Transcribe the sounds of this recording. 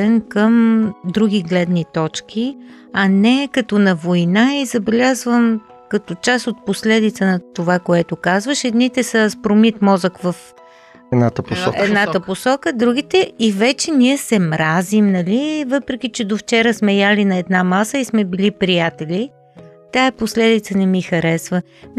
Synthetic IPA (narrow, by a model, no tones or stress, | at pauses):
ɛnkəmd̪ɾuɡ̟iɡlɛd̪nit̪ɔt͡ʃk̟ʲi | ɐnɛkɐt̪ɔnɐvojnaizɐbɛlʲazvəm | kɐt̪ot͡ʃasot̪̚poslɛd̪it̪sənɐt̪ovakoɛt̪okazvəʃɛd̪nit̪ɛsəspɾomit̪mɔzəkvəf | ɛd̪nat̪əpoɔ̰ɛd̪naəposɔkəd̪ɾuɡ̟it̪ɛivɛt͡ʃɛniɛsɛmɾazimnɐlivɤpɾɛk̟ʲit͡ʃɛd̪oft͡ʃɛɾəsmɛjalinɐɛd̪namasəismɛbilipɾijat̪ɛlʲi | t̪aɛposlɛd̪it̪sənɛmixɐɾɛsvə | m